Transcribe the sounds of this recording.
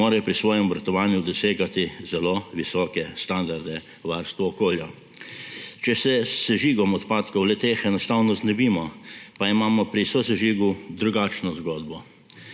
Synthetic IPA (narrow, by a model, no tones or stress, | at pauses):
oːɾɛpɾisʋɔːjɛmɔbɾat̪ɔʋaːnjud̪ɔseːɡat̪izɛloːʋisɔːkɛst̪and̪aɾd̪ɛ | ʋaɾst̪ʋuɔkoːlja | t͡ʃɛsɛsɛʒiːɡɔmɔt̪paːt̪kɔwlɛt̪eːxɛnɔst̪aːwnɔznɛbiːmɔpaimaːmɔpɾisosɛʒiːɡud̪ɾuɡaːt͡ʃnɔzɡoːd̪bɔ